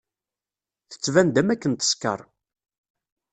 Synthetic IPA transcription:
θə̥t͡sːvænd̪æmækːənt̪ə̥skə̰ɾˤ

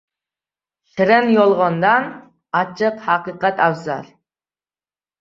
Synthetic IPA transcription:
ʃɪɾɪnjolˠʁɑnd̪ɑn | ɑt͡ʃʰɨqhɑqɨqɛt̪æwzɑ̰ɾ

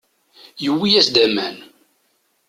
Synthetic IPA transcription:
jəwːijæsd̪æmæn

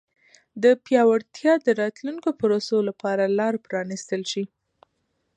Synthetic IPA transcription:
d̪əpjɑwaɽt̪jɑd̪əɾɑt̪lunkopʊɾosolapɑɾalɑɾpɾɑnist̪əlʃi

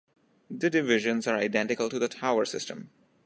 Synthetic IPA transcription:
d̪əɖɪʋɪʒə̃nzaɾaɪɖɛ̃ɳʈɪkəlʈud̪əʈʰaʊəɾsɪsʈə̃m

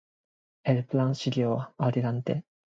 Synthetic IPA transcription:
eɾɯ̟pɯɾãɰ̃ɕiɾʲoːβaaɾʲiɾãnt̪e

